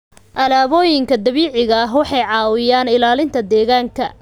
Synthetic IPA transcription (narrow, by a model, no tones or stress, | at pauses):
ʔɐlaːβɔːjɪŋkʰɐd̪ɐβiːʕɪɣɐɦwɑħɑjʕɑːwɪjaːnɪlaːlɪnt̪ʰɐd̪ɛːɣaːŋkʰɐ